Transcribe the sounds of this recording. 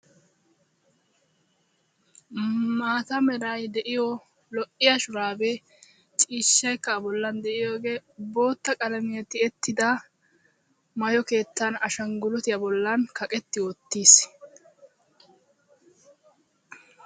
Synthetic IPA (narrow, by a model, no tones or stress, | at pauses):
maːt̪ɐmɛɾɐjd̪ɛʔɪjɔ | lɔʔɪjɐʃʊɾaːbɛ | t͡ʃʼiːʃːɐjkːɐːbɔlːɐnd̪ɛʔɪjoːɡe̞ːbo̞ːt̪ːɐkʼɐlɐmɪjɐt̪ːɪɛt̪ːɪd̪ɐ | mɐjɔke̞ːt̪ːɐnɐʃɐŋɡʊlʊt̪ɪjɐbɔlːɐnkɐkʼɛt̪ːɪwɔt̪ːiːs